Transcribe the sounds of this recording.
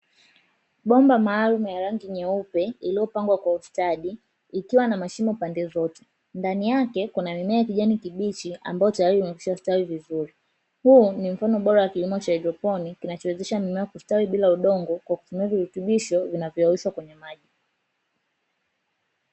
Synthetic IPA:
ɓɔmbamaːlumujaɾaŋɡiɲɛupɛiliɔpaŋɡwakwaustaɗiː | kiwanamaʃimɔpandɛzɔtɛ̥ | ndanijakɛkunamimɛajakiʄanikiɓit͡ʃiʔa̰mbaɔtajaɾiumɛki̥ʃastawivizuɾi | hunim̩fanɔɓɔɾawakilimɔt͡ʃaɛdɾɔpɔnikinat͡ʃɔwɛzɛʃamimɛakustawiɓilauɗɔŋɡɔkwaku̥tumiaviɾutuɓiʃɔvinavjɔawiʃwakwɛɲɛmaʄi

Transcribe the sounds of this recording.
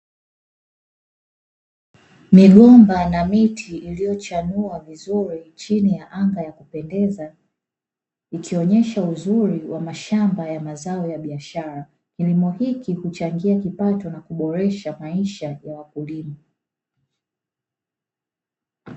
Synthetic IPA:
miɠɔmbanamitʰiilijɔt͡ʃanuavizuɾit͡ʃinijaʔaŋɡajakupɛndɛza | ikiɔɲɛʃauzuɾiwʔamaʃambajamazaɔjaɓiaʃaɾa | kilimɔhikihut͡ʃaŋɡiakipatɔnakuɓɔɾɛʃamaiʃajawakulima

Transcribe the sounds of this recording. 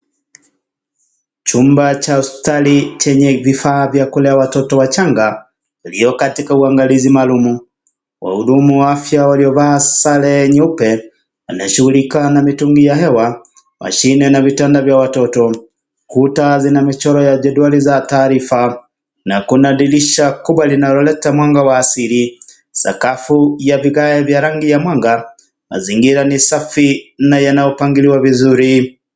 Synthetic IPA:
t͡ʃumbat͡ʃausi̥talit͡ʃɛɲɛvifaːvjakulɛawatɔtɔwat͡ʃaŋɡa | iliɔkatikauaŋɡalizimaːlumu | wʔa̰huɗumuwaafjawaliɔvaːsalɛɲupɛ | anajɛʃuɣulikanamituŋɡijaɦɛwa | mʔa̰ʃinɛnavitɛndavjawatɔtɔ | kutazinamit͡ʃɔɾɔjad͡ʒɛduwalizataːɾifa | nakunaɗiliʃakuɓwalinalɔlɛtamwaŋɡawaːsiɾi | sa̰kafujaviɣaɛvjaɾaŋɡijamwaŋɡa | ma̰ziŋɡiɾanisafinajanajɔpaŋɡiliwavizuɾi

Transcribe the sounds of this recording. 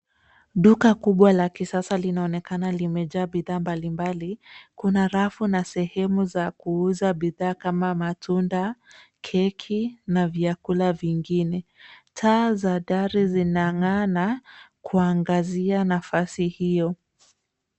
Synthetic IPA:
ɗukakuɓwalakisasalinaɔnɛkanalimɛʄaːɓiðaːmbalimbalikunaɾafunasɛhɛmuzakuuzaɓiðaːkamamatʰunda | kʰɛkʰinaviakulaviŋɡinɛtʰaːzaɗaɾizinaŋanakuaŋɡazianafasihijɔ

